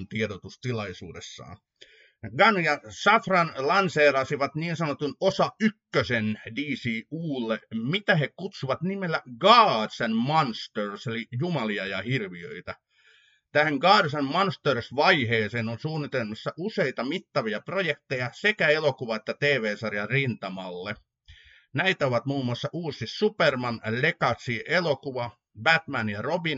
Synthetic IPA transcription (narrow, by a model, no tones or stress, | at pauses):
nt̪ieɾot̪ust̪ilɑisṵːdḛsːɑ̰ː | ɡɑnjɑsɑfrɑnlɑnseːlɑsiʋɑt̪niːnsɑnot̪unosɑykːøsendiːsiːuːlːemit̪æhekut̪suʋɑt̪nimelːæɡɑːdsænmɑnst̪ørselijumɑliɑjɑhirʋiø̰it̪æ | t̪æheŋɡɑːdsænmɑnst̪ørsʋɑiheːseːnonsuːnːit̪elmisːɑʔuseit̪ɑmit̪ːɑʋiɑprojekt̪ejɑsekæelokuʋɑet̪ːæt̪eːʋeːsɑrjɑrint̪ɑmɑlːe | næit̪æoʋɑt̪muːmːuɑsːɑʔuːsissupermɑnlekɑsiːʔelokuʋɑ | bæt̪mænjɑrobin